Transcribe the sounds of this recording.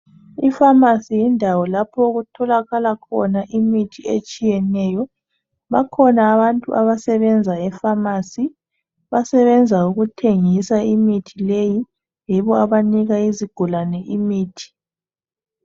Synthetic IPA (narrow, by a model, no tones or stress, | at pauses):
ifamasijindʱawɔlapʰɔuɣutʰɔlaɣalakʰɔ̰naʔimitʰiet͡ʃʼijɛnɛjɔ | βa̰kʰɔnaːβantʼuʔaβasɛβɛnd͡zʱaɛfamaːsi | βasɛβɛnd͡zʱauɣutʰeŋisaimitʰileji | jɛβɔaβaniɣaiziɡ̥ʱulanɛʔimiːtʰi̥